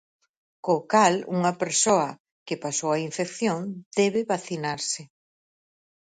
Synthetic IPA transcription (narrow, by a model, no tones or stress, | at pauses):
kokalṵŋɐpeɾsoɐ | kɪpasowɐiɱfekθjoŋd̪̥ɛβɪβaθinaɾsɪ